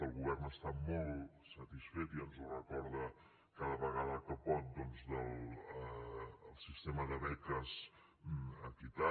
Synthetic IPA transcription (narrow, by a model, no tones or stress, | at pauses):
əlˠɣuβɛrnəst̪amɔlˠ | sət̪isfet̪iənzurəkɔɾðə | kaðəβəɣaðəkəpɔt̪̚d̪ɔnzdəlˠ | əlˠsist̪eməðəβɛk̪əz | əkit̪a